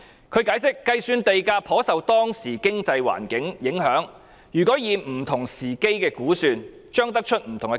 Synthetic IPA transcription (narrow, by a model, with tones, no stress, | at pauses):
kʰɵ˨˧ɥkaː˨˧˥jsɪ˥kːɐ˧jsyː˧nt̪e˨jkaː˧pʰɔː˨˥sɐ˨wt̪ɔː˥ŋsiː˨˩kɪ˥ŋt͡sɐ˧jwa̰ː˨˩nkɪ˨˥ŋjɪ˨˥ŋɦœː˨˥ŋ | jyː˨kɔː˨˥jiː˨˧nm̩˨˩t̪ʰʊ˨˩ŋsiː˨˩ke˥jkɛː˧kuː˨˥syː˧n | t͡ʃœː˥ŋt̪ɐ˥k̚t͡ʃʰɵ˥t̚m̩˨˩t̪ʰʊ˨˩ŋkɛ˧